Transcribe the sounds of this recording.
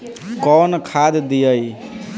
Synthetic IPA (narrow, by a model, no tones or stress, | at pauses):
kɔnkʰad̪d̪ijəj